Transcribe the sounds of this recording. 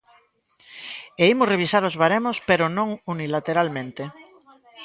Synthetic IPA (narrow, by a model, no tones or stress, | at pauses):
eimʊreβisaɾozβaɾemospeɾʊnõŋunilat̪eɾalmẽnt̪e